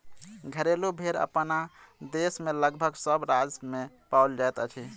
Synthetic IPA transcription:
ɡʱəɾelubʱeɾə̰pnad̪esmeləɡbʱəɡsəbɾad͡ʒme | pauld͡ʒaet̪ət͡ʃʰi

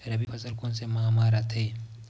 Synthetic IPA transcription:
ɾɐbifɐzɐlkonsemamaːɾat̪ʰɐe

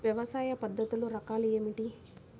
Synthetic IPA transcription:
ʋjɐʋɐsaːjɐpɐd̪ʱːɐt̪uluɾɐkaːlieːmiʈi

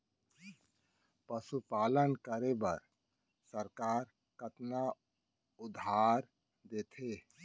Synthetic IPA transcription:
pəsupaːlənkəɾebə̰ɾ | səɾkaːɾ | kət̪na | ʊd̪ʱaːɾ | d̪eːt̪ʰe

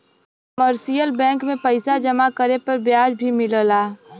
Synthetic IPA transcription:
məɾsijəlbɛ̃ːŋkmẽpəɪsad͡ʒɐmakəɾepɐɾbjaːd͡ʒbʱimɪləlaː

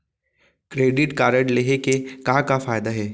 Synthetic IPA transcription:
kɾeːɖɪʈkaːɾəɳleɦekekakafaːjd̪aɦɛː

